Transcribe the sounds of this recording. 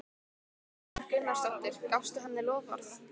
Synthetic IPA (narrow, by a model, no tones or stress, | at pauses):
kʏnːḁst̪ɔht̪ɪɾ̥kawst̪ʏɦanːɪlɔːvɔ̰ɾθ